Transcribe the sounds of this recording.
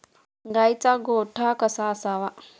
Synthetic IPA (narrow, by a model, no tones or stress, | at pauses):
ɡajt͡saɡoːʈʰakəsasaʋa